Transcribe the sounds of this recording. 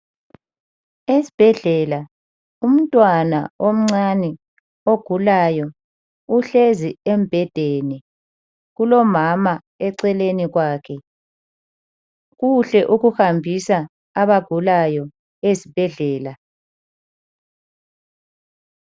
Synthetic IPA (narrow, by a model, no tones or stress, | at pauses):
esi̥b̥ʱɛɮɛla | um̩tʼwana̰om̩ŋ͡ǀanɛ | oɡ̥ʱulajɔ | uɬeziemb̥ʱɛd̥ʱeni | ɣulɔmama | ɛǀɛleniɣwaːkʰɛ | ɣuɬɛʔuɣuxambʱisaː | βaɡ̥ʱulajɔ | esib̥ʱɛɮɛːla